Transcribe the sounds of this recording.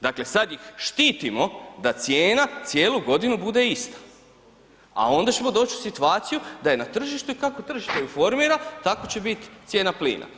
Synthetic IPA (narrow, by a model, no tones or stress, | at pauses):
d̪akle̞sad̪jixʃt̪iːt̪imo̞d̪at̪sjeːnat̪sje̞ːluɡo̞d̪inubud̪e̞ist̪ḁ | a̰o̞nd̪at͡ɕe̞mo̞d̪o̞ːt͡ɕu̥sit̪uaːt̪sijud̪aje̞nat̪r̩ʒiʃt̪uikakot̪r̩ʒiʃt̪ejufo̞ɾmiːɾat̪ako̞t͡ɕe̞bit̪t̪sje̞ːnaplḭːnʔa̰